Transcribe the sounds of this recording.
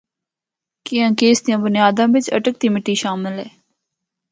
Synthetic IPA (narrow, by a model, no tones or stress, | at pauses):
kɪjãːkeːsd̪ɪjãːbʊnɪjaːd̪ãːʋɪt͡ʃə̰ʈək̚t̪iːmɪʈːiːʃaːmɪlɛː